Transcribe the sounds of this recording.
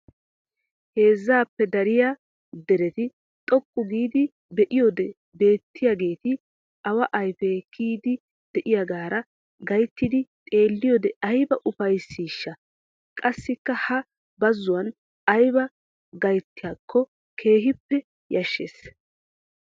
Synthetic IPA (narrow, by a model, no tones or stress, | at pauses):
he̞ːzːaːpːɛd̪ɐɾɪja | d̪ɛɾɛt̪ɪ | t̪ʼɔkʼːʊɡiːd̪ɪ | bɛʔɪjod̪ɛ | be̞ːt̪ːɪjaɡe̞ːt̪ɪ | ɐwɐʔɐjfɛɡiːd̪ɪ | d̪̥ɛʔɪjɐɡaːɾɐ | ɡɐjt̪ːɪd̪ɪt̪ʼe̞ːlːɪjɔːd̪ɛɐjbɐʔʊfɐjsːiːʃːɐ | kʼɐsːɪkːɐhɐ | bɐzːʊwɐn | ɐjbɐ | ɡɐjt̪ːɪjaːkʰːɔ | kʰe̞ːɦɪpːɛ | jɐʃːeːs